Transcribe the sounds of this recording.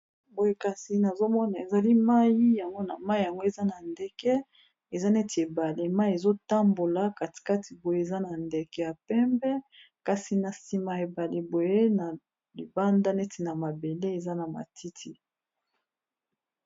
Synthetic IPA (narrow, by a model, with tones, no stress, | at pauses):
bo˨je˦ka˨si˨na˨zo˦mɔ˦na˨e˨za˨li˦ma˦ji˦ja˨ŋɡo˦na˨ma˦i˦˨ja˨ŋɡo˦e˨za˦na˨ndɛ˦kɛ˦ | e˨za˦ne˦ti˨e˨ba˨le˨ma˦i˨e˨zo˦ta˦mbo˨la˨˦ka˨ti̥˨ka˦ti˨bo˨je˦e˨za˦na˨ndɛ˨kɛ˨ja˨pɛ˦mbɛ˦ | ka˨si˨na˨si˨ma˨e˨ba˨li˨bo˨je˦na˨ | li˨ba˦nda˦ne˦ti˨na˨ma˨be˨le˦e˨za˦na˨ma̰˨tʰi˦tʰi˦